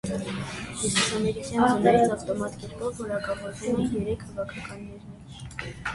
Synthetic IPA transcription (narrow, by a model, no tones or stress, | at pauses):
hususɑmɛɾikjɑnɑnɛɾit͡sɑft̪ɔmɑt̪ɡɛɾkɔvːɔɾɑkɑvɔɾvɛlɛnjɛɾɛkʰhɑvɑkʰɑkɑnːɛɾɛɾ